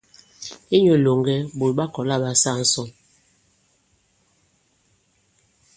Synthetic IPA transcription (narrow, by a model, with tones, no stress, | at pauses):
e˦ɲo˨lo˨ŋɡɛ˦bo˨lɓa˦kɔ˨la˦˨ba˦sa˦˨n̩˦sɔ˦˨m